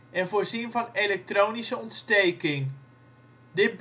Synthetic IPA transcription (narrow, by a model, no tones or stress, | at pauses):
ɛnvoːrzinvɑnelɛk̚troːwnisəɔntstejkɪŋ | dɪt̚b